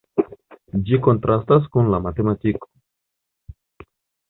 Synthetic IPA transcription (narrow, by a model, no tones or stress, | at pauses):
d͡ʒikont̪ɾʔast̪as̬kunlamat̪emat̪iko̥